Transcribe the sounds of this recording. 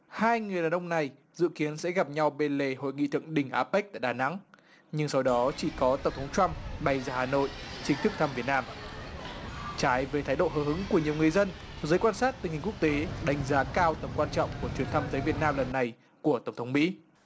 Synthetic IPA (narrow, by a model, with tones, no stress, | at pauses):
haː˧jŋɨ˨˩əjɗaː˨˩ʔə˧wŋ͡mna˨˩j | zɨ̰˧˨ki˨˦ənsɛ̰˧˥ɣa˨˩p̚ɲa˧wɓe˧nle˨˩ho̰˧˨jŋḭ˧˨t̪ʰɨ̰˧˨əŋɗï˨˩ŋ̟ʔaː˨˦pa˦˥k̚t̪a̰ː˧˨jɗaː˨˩na̰˧˥ŋ | ɲɨ˧ŋsa˧wɗɔ˨˦t͡ɕi˧˩kɔ˨˦t̪ə˧˩wŋ͡mt̪ʰə˨˦wŋ͡mt͡ɕwa˧mɓa˨˧˩jzaː˧˩haː˨˩no̰˧˨jt͡ɕï˨˦ŋ̟t̪ʰɨ˦˥kt̪ʰa˧mvi˨˩ət̚naː˧m | t͡ɕaː˨˦jveː˨˦t̪ʰaː˨˦jɗo̰˧˨ɦəː˨˧˩ɦɨ˨˦ŋku˧˩əɲi˨˩əwŋɨ˨˩əjzə˧n | zəː˨˦jkwaː˧nsaː˦˥t̚t̪i˨˩ŋ̟hi˨˩ŋ̟ku˦˥k̚t̪e˨˦ɗa˨˦jŋ̟zaː˨˦kaː˧wt̪ə˨˩mkwaː˧nt͡ɕɔ̰˧˨wŋ͡mku˧˩ət͡ɕwi˨˩ənt̪ʰa˧mzəː˨˦vi˨˩ət̚naː˧mlə˨˩nːa˨˩j | ku˧˩ət̪ə˧˩wŋ͡mt̪ʰə˨˦ŋ͡mmḭ˧˥